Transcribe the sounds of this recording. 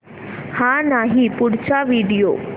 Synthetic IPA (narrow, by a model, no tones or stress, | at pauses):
hãnaɦipuɽt͡ɕaʋiɽijo̰